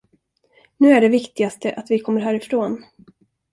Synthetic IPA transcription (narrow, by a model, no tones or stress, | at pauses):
nʉ̟ːæɖɛvɪkt̪ɪɡast̪ʰəʔat̪vɪkʰɔmːəɾɦæːɾɪfɾoːn